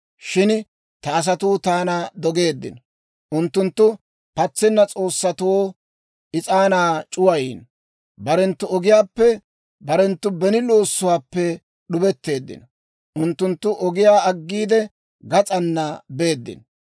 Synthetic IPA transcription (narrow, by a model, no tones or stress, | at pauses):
ʃɪn | t̪ɐːs̬ɐt̪ʊːt̪aːnɐd̪ɔɡe̞ːd̪ːɪ̰nɔ | ʔʊnt̪ːʊnt̪ːʊ | pɐt͡sːɪnːɐt͡sʼo̞ːsːɐt̪ʊwoː | ʔɪt͡sʼaːnaːt͡ʃʼʊwɐjḭːn | bɐɾɛnt̪ːʊɔɡɪjaːpːɛ | bɐɾɛnt̪ːʊbɛnɪlo̞ːsːʊwaːpːɛ | ɗʊbɛt̪ːe̞ːd̪ːɪ̰n | ʔʊnt̪ːʊnt̪ːʊʔɔɡɪjaːɐɡːiːd̪ɛ | ɡɐt͡sʼɐnːɐbe̞ːd̪ːɪ̰n